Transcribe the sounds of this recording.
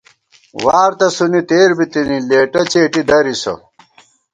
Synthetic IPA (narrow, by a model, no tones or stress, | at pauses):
waːɾt̪ɐsunit̪eːɾbit̪inileːʈɐt͡ɕeːʈid̪ɐɾiso̰